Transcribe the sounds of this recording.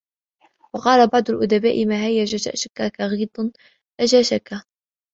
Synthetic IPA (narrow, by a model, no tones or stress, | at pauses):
wɑqɑːlabɑʕd̪ˤʊlʔʊd̪abaːʔɪmaɦajːaʒaʃa̰ʔʃakːakaɣiːd̪ˤn | ʔad͡ʒaʃaka